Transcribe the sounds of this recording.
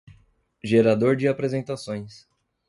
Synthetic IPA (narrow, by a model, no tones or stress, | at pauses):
ʒeɾad̪oɾd͡ʒɪapɾezẽnt̪asõj̃s